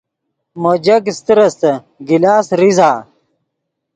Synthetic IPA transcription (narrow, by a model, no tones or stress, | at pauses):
mod͡ʑɐkist̪iɾɐst̪ɐ | ɡilaːsɾizaː